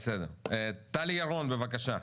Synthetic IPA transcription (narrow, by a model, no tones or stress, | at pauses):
sed̪eʁet̪alijaʁo̞nbevakaʃa